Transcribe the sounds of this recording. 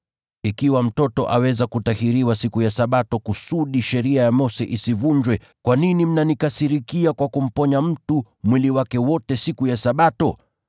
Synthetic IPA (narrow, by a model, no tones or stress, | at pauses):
ikiwam̩tɔtɔʔawɛzakutahiɾiwasikujasaɓatɔkusuɗiʃɛɾiajamɔsɛʔisivuɲd͡ʒwɛ | kwaninim̩nanikasiɾikiakwakum̩pɔɲam̩tu | mwiliwakɛwɔtɛsikujasaɓatɔ